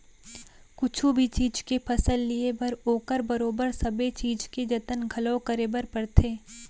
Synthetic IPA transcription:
kʊt͡ʃʰubʱit͡ʃiːd͡ʒkepʰɐsəlːiebɐɾoːkəɾbɐɾoːbəɾsɐbet͡ʃiːd͡ʒked͡ʒɐt̪ənɡʱɐloːkəɾebəɾpɐɾt̪ʰeː

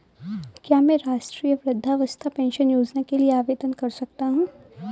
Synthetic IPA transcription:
kjaːmɛ̃ːɾaːʃʈɾiːjəʋɾəd̪ʱːaʋəst̪ʰapɛ̃ːnʃənjoːd͡ʒnakelieaːʋeːd̪ənkɐɾsɐk̚t̪aɦũː

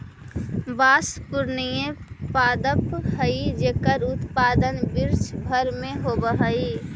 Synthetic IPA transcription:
baːspʊɾnijẽpaːd̪əphəid͡ʒeːkəɾʊt̪paːd̪ənbɪɾt͡ʃbʱəɾmẽɦoːbəɦaiː

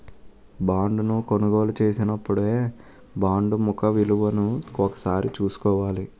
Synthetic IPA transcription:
baːɳɖunukonuɡo̞ːlut͡ʃe̞ːsinɐpːuɽeː | baːɳɖumukɐʋiluʋɐnuɔkɐ̥saːɾit͡ʃuːsu̥kɔːʋaːli

